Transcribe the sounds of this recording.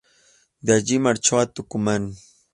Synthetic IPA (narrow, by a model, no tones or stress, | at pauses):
d̪aʎɪmaɾt͡ʃawat̪ʊkʊman